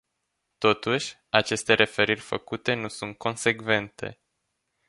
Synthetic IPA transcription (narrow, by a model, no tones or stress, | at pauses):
t̪o̞t̪uʃʲ | at͡ʃe̞st̪e̞ɾʔe̞fe̞ɾirʲfə̰kut̪e̞nusunt̪̚kʰo̞nse̞ɡve̞nt̪e̞̰